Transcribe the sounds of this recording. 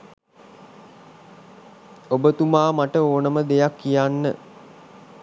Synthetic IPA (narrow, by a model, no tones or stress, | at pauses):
obət̪umaːmaʈəoːnəməd̪ejakːijanːə